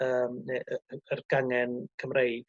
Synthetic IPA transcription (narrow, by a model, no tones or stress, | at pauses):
əːmneʔəərɡ̥aŋɛnkʰəmrejd̥